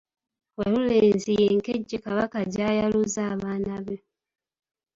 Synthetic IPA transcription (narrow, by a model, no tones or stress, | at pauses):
waluleːnzijeŋkeɟːikaβakaɟaːjaluzaːβaːnaβo